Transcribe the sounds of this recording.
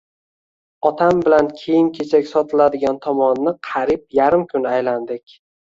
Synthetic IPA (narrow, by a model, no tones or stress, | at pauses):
ɒt̪ʰambɪlankʲʰejɪmkʲʰet͡ʃʰakʲsɒt̪ʰɪlad̪ɪɡʲant̪ʰɒmɒnːɪqʰɑɾɪp̚jaɾɪmkʲʰʊnajland̪ɪkʲ